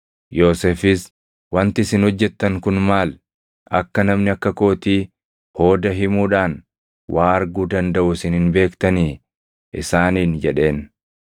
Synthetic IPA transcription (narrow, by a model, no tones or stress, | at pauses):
jo̞ːseːfɪs | wɐnt̪ɪsɪnhɔd͡ʒːɛt̪ːɐŋkʊnmaːl | ɐkːɐnɐmnɪɐkːɐko̞ːt̪iː | ho̞ːd̪ɐɦɪmuːᶑaːn | wʔaːɐɾɡuːd̪ɐnd̪ɐʔʊsɪnhɪnbe̞ːkt̪ɐniː | ʔɪsaːniːnd͡ʒɛᶑe̞ːn